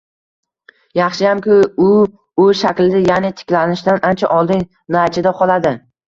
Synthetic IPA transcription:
jɑχʃɪjamkʰʲɪʊ | ʊʃakʲlɪd̪ɪjanɪt̪ʰɪ̥kʲlanɪʃd̪anʔant͡ʃʰaʔɒlˠd̪ɪŋ | nat͡ʃʰɪd̪aqʰɒlˠad̪ɪ

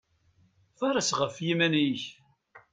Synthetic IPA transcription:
fɑɾˤɑsʁəfjimæniç

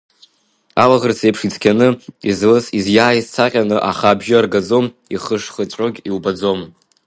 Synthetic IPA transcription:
alaʁərt͡sʰepʰʂit͡sʰkʲʰanɨizlɨsizjaːjizt͡sʰaqʲʼanɨʔaχabʒɪarɡad͡zom | iχəʂχət͡ɕʷʼoɡʲiwbad͡zo̞m

